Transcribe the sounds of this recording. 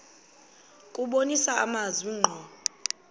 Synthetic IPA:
kʼuɓonisaamaziŋ͡ǃʱɔ

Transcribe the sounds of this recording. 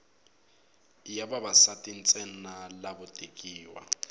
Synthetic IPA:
jababasatʼin̩t͡sʼɛn̩nalabʊtʼekʼiːwa̰

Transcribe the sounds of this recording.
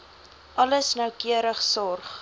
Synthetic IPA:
ʔɐləsnəwkiəɾəχsɔrχ

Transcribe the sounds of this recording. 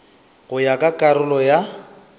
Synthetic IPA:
ɣʊjakʼakʼaɾʊlɔja

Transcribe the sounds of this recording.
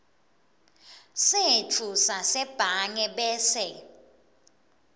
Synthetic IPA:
setʰusasɛb̥ʱaŋɛɓɛːsɛ

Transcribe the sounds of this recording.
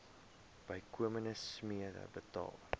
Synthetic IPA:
b̥əjkuəmənəsmiədə̰bətɑ̰ːlˠ

